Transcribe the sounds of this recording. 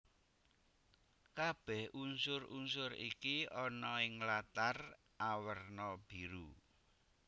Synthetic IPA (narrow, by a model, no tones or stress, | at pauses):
kab̥ɛhunsʊɾṵnsʊɾikiɔnɔɪŋlat̪ar | ʔawərnɔb̥iɾu